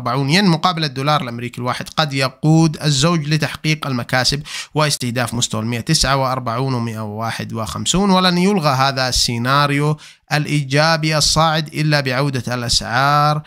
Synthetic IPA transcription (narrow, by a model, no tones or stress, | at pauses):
ɾbaʕuːnjanmʊqɑːbɪlad̪ːuːlɑːɾˤɪlʔamɾiːkilwaːħɪd̪qɑd̪jɑquːd̪azːoːd͡ʒlɪt̪aħqiːqalmakaːsɪbwɪɪst̪ɪhd̪aːfmʊst̪awalmɪʔat̪ɪsʕawɪʔɑɾˤbaʕuːnwɪmɪʔawɪwaːħɪd̪wɪxa̰msuːnwɪlanjʊlɣaɦaːðasːɪnaːɾju | ʔalʔiːd͡ʒaːbiʔɑsˤːɑːʕɪd̪ʔɪ̰lːabɪʕawd̪alʔasʕɑːɾˤ